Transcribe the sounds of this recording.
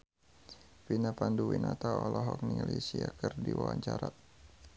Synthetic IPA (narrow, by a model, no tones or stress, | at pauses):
finapanduwinat̪aɔlɔɦɔk̚niŋalisiakɨrdiwawaɲt͡ʃaɾa